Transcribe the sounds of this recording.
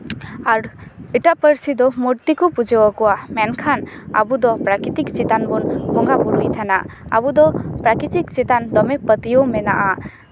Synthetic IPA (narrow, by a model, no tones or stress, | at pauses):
aɾiʈaʔpəɾsid̪ɔmuɾt̪ikɔpud͡ʒɛwɔkɔwamɛnkʰana̰bud̪ɔpɾakɾit̪ikt͡ʃit̪anbɔnbɔŋɡapuɾujt̪ʰɛnaʔa̰bud̪ɔpɾakɾit̪ikt͡ʃit̪and̪ɔmɛpət̪ijomɛnaʔa